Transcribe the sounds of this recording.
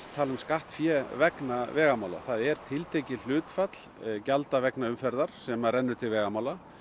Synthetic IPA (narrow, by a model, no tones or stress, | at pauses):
t̪ʰːaːlʏmskaht̪fjɛːvɛknavɛːɣamaːwla̰θaðɛɾ̥t̪ʰɪlt̪ʰejcɪl̥ʏːt̪fat̪l̥calt̪avɛknaʏmfɛɾðaɾ̥sɛmarɛnːʏɾt̪ʰɪlvɛːɣamaːwla